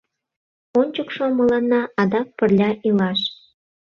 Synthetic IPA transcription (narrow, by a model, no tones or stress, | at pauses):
onʲt͡ɕəkʃomə̆lɑnːɑʔɑd̪ɑk̚pərlʲɑʔilɑʃ